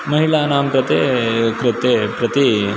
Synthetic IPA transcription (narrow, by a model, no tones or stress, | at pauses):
mɐɦiɭaːnaːmpɾɐt̪eːkɾɪt̪ːeːpɾɐt̪i